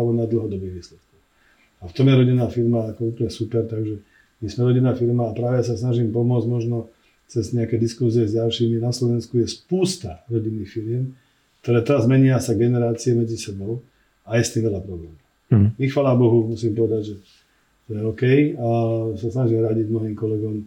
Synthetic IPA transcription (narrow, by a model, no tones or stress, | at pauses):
bɔnad̪l̩ɦɔd̪ɔbiːɣʋiːslɛt̪kɔx | aft̪ɔmjɛɾɔɟinːaːfiɾmaːkɔuplɲɛsupɛɾt̪aɡʒɛ | mismɛɾɔɟinːaːfiɾmaːpɾaːʋɛjas̬asnaʒiːmpɔmʊɔd͡zɟmɔʒnɔ | t͡sɛzɲɛakɛd̪iskusiɛzɟalʃiːminaslɔʋɛnskujɛspuːst̪aɾɔɟinːiːxfiɾɪɛm | kt̪ɔɾɛːt̪ɛɾazmɛɲiasaɡɛnɛɾaːt͡siɛmɛd͡zisɛbɔʊ | ajɛst̪iːmʋɛʎapɾɔblɛːmɔʊ | mixfaːlabɔɦumusiːmpɔʋɛd̪aɟʒɛ | t̪ɔjɛɔkɛjasasnaʒiːmɛɾaɟiɟmnɔɦiːmkɔlɛɡɔm